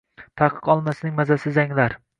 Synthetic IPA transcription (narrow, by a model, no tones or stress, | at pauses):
t̪ʰaqʰɨ̥qɒlˠmasnɪŋmazasɪzaŋlaɾ